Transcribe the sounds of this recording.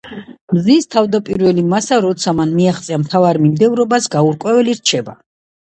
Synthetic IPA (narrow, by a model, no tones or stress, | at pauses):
mzist̪ʰavd̪apʼiɾvɛlimasaɾɔt̪sʰamanmiaχt̪sʼiamt̪ʰavaɾmimd̪ɛvɾɔbasɡauɾkʼwɛvɛliɾt͡ʃʰɛba